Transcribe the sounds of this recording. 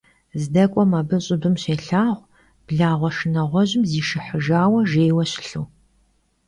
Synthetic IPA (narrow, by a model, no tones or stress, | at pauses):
zdɐkʷʼɔmɐbɨɕʼɪbɨmɕeːɬaːʁʷ | b̥ɮaːʁʷɔʃɨnɐʁʷɔʑɪmziːʃɨħəʒaːwɐʒeːwɐɕɪ̥ɬuː